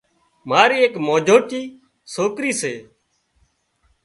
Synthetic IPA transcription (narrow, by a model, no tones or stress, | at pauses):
maːɾiːeːkmoːd͡ʒʱoːʈiː | soːkɾiːseː